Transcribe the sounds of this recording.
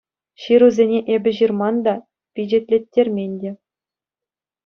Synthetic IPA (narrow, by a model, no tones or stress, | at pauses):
ɕiɾuzʲenʲeʔebʲɘ̆ʑirmɑnd̪ɑ | pʲid͡ʑetʲlʲetʲːerʲmʲenʲdʲe